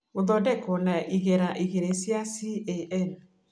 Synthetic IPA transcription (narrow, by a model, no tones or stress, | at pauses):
oðɔdɛkɔnaʔiɣeɾaʔiɣeɾesjasieʔɛn